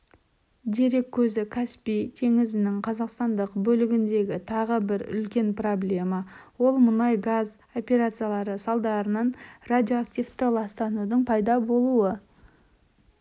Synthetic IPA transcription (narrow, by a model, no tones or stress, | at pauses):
d̪e̞ɾe̞kʲʰːɵzɪkʰaspit̪ʰe̞ŋɪzɪnɪŋqʰɑzɑqst̪ɑnd̪əqbɵlɪɡʲɪnd̪e̞ɡʲɪt̪ʰɑʁəbɪɾʏ̰lkʲe̞nproblʲe̞mɑwo̞lˠmʊnɑjɡaz | o̞pʲe̞ɾat̪sɨjalˠɑɾəsɑlˠd̪ɑɾənɑɴradʲio̞akt̪ʲift̪ɪlˠɑst̪ɑnud̪əɴpʰɑjd̪ɑbo̞lˠuə